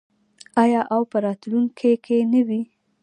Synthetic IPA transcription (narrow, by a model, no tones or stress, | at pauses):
ɑjɑʔawpəɾɑt̪luŋkʰekʰenəwi